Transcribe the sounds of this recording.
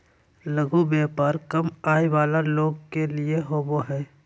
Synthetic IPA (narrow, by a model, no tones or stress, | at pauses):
ləɡobeːpaːɾkɐmaːeʋaːlaloːɡkelieɦoːboɦɛ̃ː